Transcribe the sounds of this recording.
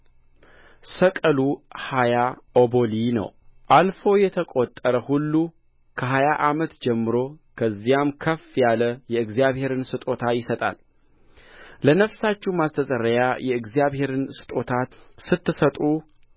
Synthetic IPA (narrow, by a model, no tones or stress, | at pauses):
səkʼəluhajaʔobo̞linə̰wʔalfo̞jɛt̪ʰəkʼot̪ʼːəɾəhulːu | kʰəɦajaʔamət̪d͡ʒɛmːɨɾo̞kʰəzːijamkʰəfjaləjɛɨɡzijaβhe̞ɾɨnsɨt̪ʼo̞t̪ʰajɪsət̪ʼa̰l | lənəfsat͡ʃːumast̪ʰəsʼəɾːəjajɛɨɡzijaβhe̞ɾɨnsɨ̥t̪ʼo̞t̪ʰat̪sɨt̪ːɨsət̪ʼu